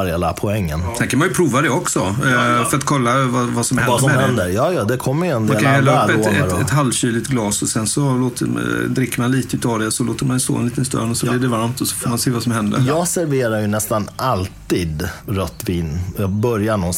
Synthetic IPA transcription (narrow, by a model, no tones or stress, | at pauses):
ɾhelapʰɔɛŋːənsɛnkʰːanmanjɵpʰɾuːvad̪ɛɔksɔfœɾat̪kʰɔlːavavasɔmhɛnɛnd̪əɾjɑːjɑːd̪ɛkʰɔmːəɾjɛnd̪aːlkanɛlːaɵpɛoɛɾɛt̪ɦalvɕyːlɪt̪ɡlɑːsɔsɛnsɔloːt̪əd̪ɾɪkːəɾmanliːt̪əʉ̟ːt̪ʰɑd̪ɛsɔlo̰ːt̪əɾmanɛst̪o̰ːɛnliːt̪ənst̪œ̰nɔsɔblɪɖɛvaɾmt̪ɔsɔ̥foːɾmanseːvasɔmhɛnd̪ə̰ɾjɑːɡsæɾveːɾaɾjɵnɛst̪analt̪iːd̪ɾœt̪ːviːnjɑbœɾjaɳɔns